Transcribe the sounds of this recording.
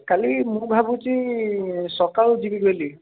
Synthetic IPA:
kalimʊɹbʱabuti | sɔkalzibiɡeli

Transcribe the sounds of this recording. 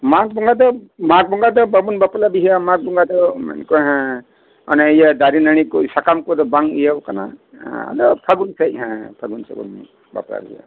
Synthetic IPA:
mak̚bɔŋɡad̪ɔmaɡ̚bɔŋɡad̪ɔbabunbapɔlabiɦiamaɡ̚bɔŋɡad̪ɔma̰nkɔɦɛ̃ | ɔ̰naejad̪aɾinaɽ̃ikɔsakamkɔd̪ɔbaŋijabkanã̰a̰dɔpʰaɡunsajɦɛ̃pʰaɡunsa̰bɔ̰nḭ | ba̰pla̰bḭija̰

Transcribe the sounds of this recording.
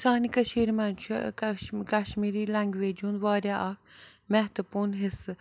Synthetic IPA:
saːnikɐʃiːɾmɐnt͡ʃʰ | kɐʃmiːɾiːlɐŋɡʋeːd͡ʒunʋaːɾjaʔɐk̚ʰmɛɦt̪upuːnɦɪsɨ

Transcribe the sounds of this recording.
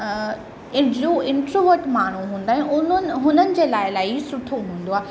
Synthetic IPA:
ɪoɪ̃ɳʈɾoʋəʈmaːɳ̤uɦũːn̆d̪aːɦɛ̃ʊnənɦʊnənɪ̆d͡ʑeːlaːɪlaːɪsʊʈʰoɦũːn̆d̪oaː

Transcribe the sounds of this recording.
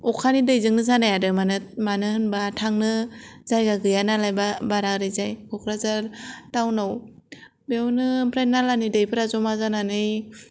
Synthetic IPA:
ɔkʰanidɯjzɯŋnɯzanajadɯmanɯmanɯhɯnbatʰaŋnɯzajɡaɡɯjanalajbabaɾaɾɯjzajkʰɔkʰɾazaɾtawnaw | bewnɯpʰɾenːalanidɯjpʰɯɾazɔmazananɯj

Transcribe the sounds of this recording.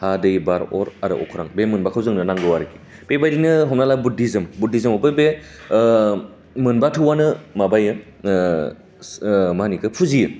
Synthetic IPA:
hadɯjbaɾɔɾaɾɯ̰ʔɔ̰kʰɯɾaŋbemɯnbakʰawzɯŋnɯnaŋɡɯwaɾɯki̥ | pebajɾinɯɦɔmnalabudizɯmbudizɯmɔbɯbe | mɯnbatʰɯwanɯmabajɯ | manikɯpʰuzijɯ

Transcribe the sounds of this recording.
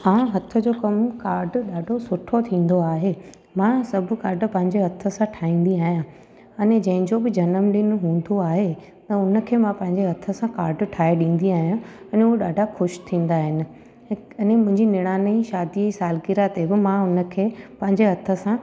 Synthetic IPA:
ɦãːɦɐt̪ʰə̆d͡ʑoːkɐmkaːɾɖɗaːɖʱosʊʈʰot̪ʰĩːn̆d̪oaːɦeː | mãsɐbʱʊ̆kaːɾɖpɐ̃ɦɪ̃ɲd͡ʑeɦɐt̪ʰə̆sãʈʰaːĩːn̆d̪iaːɦijã | ɐned͡ʑɐ̃ɦɪ̃ɲd͡ʑobɪd͡ʑɐnəmɗɪnʊɦũːn̆d̪oaːɦe | t̪ɐʊnə̆kʰeːmãpɐ̃ɦɪ̃ɲd͡ʑeɦɐt̪ʰə̆sãkaːɾɖʈʰaːeɗĩːn̆d̪iaːɦijã | ɐnʊɦoɗaːɖʱaxʊʃt̪ʰĩːn̆d̪aɦɪnɪ̆ | ɐnemʊ̃ɦɪ̃ɲd͡ʑinɪɽ̃aːnəiʃaːd̪iisaːlkɪɾat̪ebɪmãʊnə̆kʰeːpɐ̃ɦɪ̃ɲd͡ʑeɦɐt̪ʰə̆sã

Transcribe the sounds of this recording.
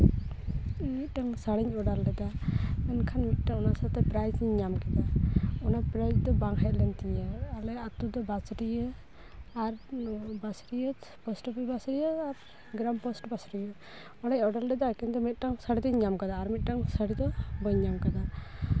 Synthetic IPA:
mit̪̚ˀʈaŋsaɽiɲɔɖalɖɛd̪amɛnkʰanmit̪̚ʈaŋɔnasat̪ɛpɾajsiɲːamkad̪aɔnapɾad͡ʒd̪ɔbaŋɦɛʔlɛnt̪ijəːlɛat̪ud̪ɔbasɾijə | aɾbasɾijəpɔsʈbɛbasɾijəaɾ | ɡɾampɔsʈbasɾijə | ɔɽɛɲɔɖalɖɛd̪akint̪umit̪̚ˀʈaŋsaɽid̪ɔɲɲamkad̪aːɾmit̪̚ʈaŋsaɽid̪ɔbɔɲːamkad̪a

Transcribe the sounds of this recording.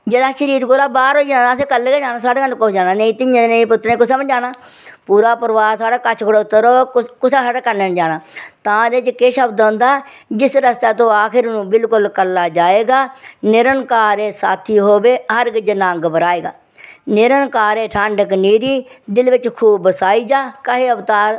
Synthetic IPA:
d͡ʒeːd̪aːʃəɾiːɾɡoːlaːbaːɾɦoːd͡ʒaːãːs̬eːkəlːeɡed͡ʒaːnaːsaːɽeːənkod͡ʒaːnaːneĩt̪ɪɲd͡ʒ̃d̪neiːp̬ʊt̪ːɾẽːkʊsaːməd͡ʒaːɽaː | puːɾaːpəɾʋaːsaːɽaːkət͡ʃʰkʰʊɽaːʊt̪ːəɾoːkʊsaːsaːɽaːkəɾnend͡ʒaːɽaːt̪ãːd̪eːɪt͡ʃkeːʃəbd̪̃ːnd̪aː | d͡ʒɪsɾəst̪aːt̪õːaːkʰɪɾnũːbɪlkʊlkəlːaːd͡ʒaːeːɡaːnɪɾənkaːɾeːsaːt̪ʰiːɦoːbeːɦəɾɡɪd͡ʒənãːŋɡbəɾaːeːɡa̰ː | nɪɾənkaːɾeːʈʰaɳɖkniːɾiːd̪ɪlʋɪt͡ʃkʰuːbbəsaːiːd͡ʒaːkəɦeːəʋt̪aːɾ

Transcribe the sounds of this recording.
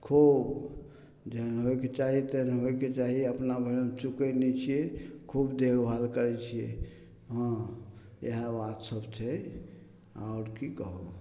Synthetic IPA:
kʰub | d͡ʒənɦojket͡ʃaɦit̪ənɦojket͡ʃaɦiəpnabʱəɾəmt͡ʃukɛnɛt͡ʃʰijekʰubd̪eɡbʱalkəɾɛt͡ʃʰijḛ | ɦaə̃ | jəɦbat̪səbʱt͡ʃʰɛ | a̰ʊɾkikəɦu

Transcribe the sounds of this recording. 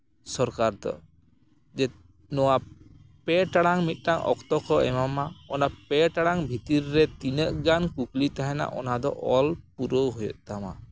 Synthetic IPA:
sɔɾkaɾt̪ɔ̰ | d͡ʒɛ | nɔwapɛʈaɽaŋmit̪̚ˀʈaŋʔɔ̰kt̪ɔkʰɔɛmamaɔnapɛʈaɽaŋbʱit̪iɾːɛt̪inəʔɡankuklit̪aɦɛna̰ʔɔ̰nad̪ɔ̰ʔɔlpuɾɔɦojɔ̰t̪̚ˀt̪ama̰

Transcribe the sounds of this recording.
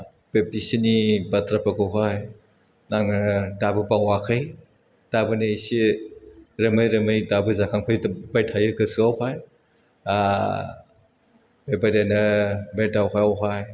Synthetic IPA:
pep̚isinibatʰɾapakɯɦaj | naŋdabɯpawakʰɯj | d̥abɯnɯisi | ɾɐmɯjɾɐmɯjdabɯzakʰaŋpʰajbajtʰajɯkɯsuawpʰaj | a | bebajdajnɐbedawɦajawɦaj

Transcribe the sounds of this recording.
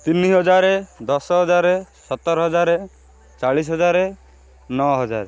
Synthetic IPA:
t̪inːiɦɔd͡ʒaɾed̪ɔsɔɦɔd͡ʒaɾesɔt̪ːɔɾɔɦɔd͡ʒaɾe | t͡ʃaɭis̬ɦɔd͡ʒaɾe | nɔɔɦɔd͡ʒa̰ɾe

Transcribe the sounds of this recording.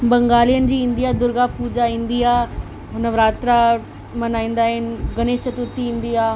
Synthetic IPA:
bɐ̃ŋɡaːlijənɪ̆d͡ʑiːɪ̃nd̪ijad̪ʊɾɡapuːd͡ʑaɪ̃nd̪ijaː | ɦʊnəʋɾaːt̪ɾa | mɐnaːĩːn̆d̪aːɦɪnɪɡɐneːʃt͡ɕɐt̪ut̪ʰĩɪ̃nd̪ijaː

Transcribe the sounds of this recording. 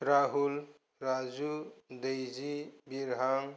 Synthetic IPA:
ɾaɦul | ɾad͡ʒud̪ejd͡ʒibiɾɦaŋ

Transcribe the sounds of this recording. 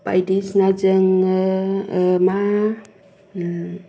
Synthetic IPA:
pajdisnad͡ʒəŋ | ma

